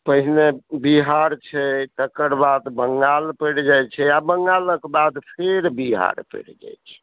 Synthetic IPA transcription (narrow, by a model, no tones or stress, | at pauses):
pəɦinebiɦaɾt͡ʃʰɛt̪əkəɾbad̪bəŋɡalpəɽd͡ʒajt͡ʃʰɛabəŋɡaləkbad̪pʰeɾbiɦa̰ɾpə̰ɽd͡ʒa̰jt͡ʃʰɛ̥